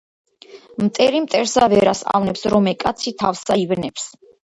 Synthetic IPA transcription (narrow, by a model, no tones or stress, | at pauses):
mt̪ʼɛɾimt̪ʼɛɾsavɛɾasa̰vnɛpsɾɔmɛkʼat̪sʰit̪ʰafsaivnɛps